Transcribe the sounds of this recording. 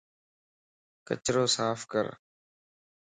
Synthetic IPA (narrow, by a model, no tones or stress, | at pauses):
kə̰t͡ʃɾoːsaːfkə̰ɾ